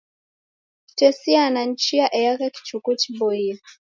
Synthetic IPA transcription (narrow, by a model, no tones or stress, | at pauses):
i̥tɛsianaɲ̩t͡ʃijaʔɛjakaki̥t͡ʃukutibɔia